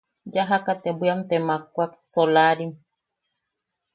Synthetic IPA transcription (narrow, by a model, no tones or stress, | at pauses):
d͡ʒaɦakat̪ebʷiamt̪emak̚ʷak̚solaɾim